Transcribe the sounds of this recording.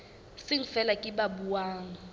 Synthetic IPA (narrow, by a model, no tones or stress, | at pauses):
sɪŋ̩fɛlakʼɪbabuwaːŋ̩